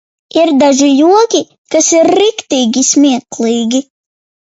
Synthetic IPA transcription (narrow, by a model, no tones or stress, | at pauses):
iɾd̪aʒijuɔkʲi | kasiɾːikt̪iːɡʲismʲiɛklˠiːɡʲi